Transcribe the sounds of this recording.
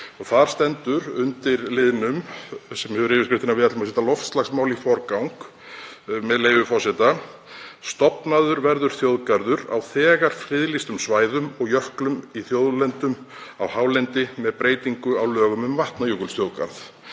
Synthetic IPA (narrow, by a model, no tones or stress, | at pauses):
ɔɣθaɾ̥st̪ɛnt̪ʏɾʏnt̪ɪɾlɪðnʏmsɛmjhɛœvʏɾɪːvɪskɾɪft̪ɪnavɪðat̪lɪmas̬ɛt̪alɔft̪st̪aɣsmawlifɔɾkawŋk | mɛðlejvʏfɔsɛt̪a | st̪ɔpnaðʏɾvɛɾðʏɾ̥θjoːwðkaɾðʏɾa̰wθɛːɣaɾ̥fɾɪðlist̪ʏmsvaːjðʏmɔɣjœhklʏmiθjowðlɛnt̪ʏm | awhaːwlɛnt̪ɪmɛðpɾeːjt̪iŋkʏawlœːɣʏmʏmvaht̪najuːkʏlst̪jowðka̰ɾθ